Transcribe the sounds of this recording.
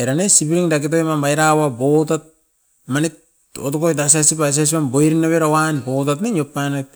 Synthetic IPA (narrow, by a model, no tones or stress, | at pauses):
eɾanesipiɾiŋdakit̬ojmamajɾawabot̬at̚ | manit | ot̬okojt̬as̬asipas̬asipamboiɾinːaβeɾawanbotatneɲopːanat̚